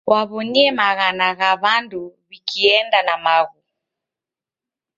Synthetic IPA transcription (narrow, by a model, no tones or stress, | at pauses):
wʔaβɔniɛmaɣanaɣaβanduβikiɛndanamaɣu